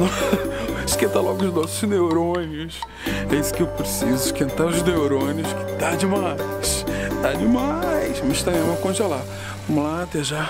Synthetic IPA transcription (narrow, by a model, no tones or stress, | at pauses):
nɔ̃ | ʃkẽt̪alɔɡʊʊʒnɔsʊznewɾõnʊs | ɛisʊ̥kɪewpɾesizʊɪʃkẽnt̪aɾʊznewɾõnjʊskɪ̥t̪ad͡ʒɪmajst̪ad͡ʒɪmajsmĩʃt̪ɐ̃ẽmɐkõʒela | vɐ̃mʊlat̪eʒa